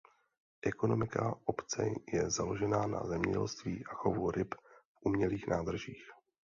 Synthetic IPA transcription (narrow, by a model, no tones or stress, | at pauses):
ʔɛko̞no̞mɪkaʔopt͡sɛ̰jɛzalo̞ʒɛnaːna̰zɛmɲɛ̰ɟɛ̰lst̪viːʔaxovuɾɪpfʔumɲɛliːxnʔaːd̪r̩ʒiːx